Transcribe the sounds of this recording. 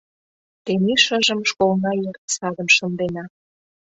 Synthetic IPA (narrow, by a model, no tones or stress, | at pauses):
t̪eniʃəʒə̆mʃkolnɑjørt̪sɑd̪ə̆mʃŏnd̪enɑ